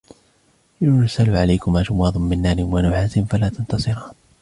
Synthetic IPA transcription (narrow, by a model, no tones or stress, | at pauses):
jʊɾsalʕalajkʊmaːʃʊmɑːd̪ˤʊnmɪnːaːɾɪmwanʊħaːsɪnfalaːt̪ant̪ɑsˤɨɾɑːn